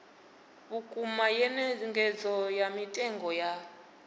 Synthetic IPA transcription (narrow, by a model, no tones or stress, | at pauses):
βukʼumajɛnɛŋɡʱɛd͡zɔjamitʼɛŋɡɔja